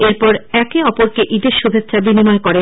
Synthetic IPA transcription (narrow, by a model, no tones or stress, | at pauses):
eɾpɔɾɛkeɔpoɾkeʔid̪eɾʃubʱetːʃʰabinimɔekoɾe